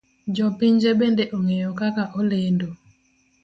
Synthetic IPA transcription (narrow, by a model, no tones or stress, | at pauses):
d͡ʒɔpiɲd͡ʒebendeʔoŋejokakaʔolendo